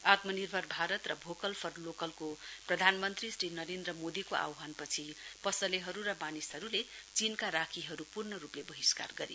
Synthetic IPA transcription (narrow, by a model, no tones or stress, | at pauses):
at̪mʌnirbʱʌrbʱaɾʌt̪rʌbʱokʌlpʰʌrlokʌlkoprʌd̪ʱanmʌnt̪risʈinʌɾend̪rʌmod̪ikoʔa̰wɦanpʌt͡sʰipʌsʌleɦʌɾuɾʌbanisɦʌɾulet͡sinkaɾakʰiɦʌɾupurnʌɾuplebʌɦiska̰rɡʌɾḭ